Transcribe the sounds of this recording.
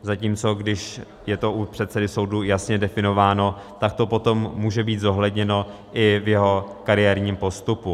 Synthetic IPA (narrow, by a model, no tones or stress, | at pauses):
zaciːmt͡so̞ɡdɪʃ | jɛt̪o̞ʔupr̥ɛt̪sɛdɪso̞wdujasɲɛdɛfɪno̞vaːno̞ | t̪ak̚t̪o̞po̞t̪o̞mːuːʒɛbiːt̪zo̞ɦlɛdɲɛno̞ | ʔɪvjɛɦo̞kaɾɪjɛːɾɲiːmpo̞st̪upu